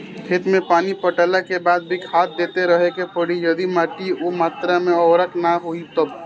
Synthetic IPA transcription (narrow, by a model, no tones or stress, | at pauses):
kʰet̪mepaːnipəʈəlakebad̪̚bikʰad̪̚d̪et̪eɾəɦekepəɽijəd̪imaʈiomaːt̪ɾameɔːɾəknaɦoit̪əb